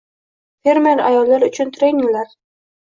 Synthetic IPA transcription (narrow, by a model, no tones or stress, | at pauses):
fe̞ɾme̞ɾa̰jɒlːaɾʊt͡ʃʰʊnt̪ʰɾenɪŋlaɾ